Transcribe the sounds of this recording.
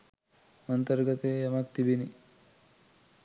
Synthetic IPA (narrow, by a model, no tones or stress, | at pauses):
ɐnt̪əɾɡət̪ejɐmak̚t̪ibini